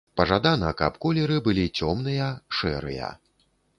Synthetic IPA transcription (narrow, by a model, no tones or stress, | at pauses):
pɐʐad̪anɐkɐ̰pkɔlʲɛɾɨbɨlʲit͡sʲɔmnɨjɐʂɛ̰ɾɨ̰jɐ̰